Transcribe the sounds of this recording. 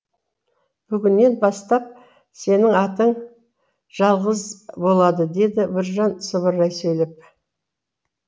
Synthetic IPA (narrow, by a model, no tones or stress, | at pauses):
b̥ʏɡʲɪnːe̞nbɑst̪ɑp̚ | se̞nɪŋɑt̪əɴ | ʒ̥ɑlˠʁəzbo̞lˠɑd̪əd̪e̞d̪ɪbɪɾʒɑnsəβəɾɑjsɵjlep̚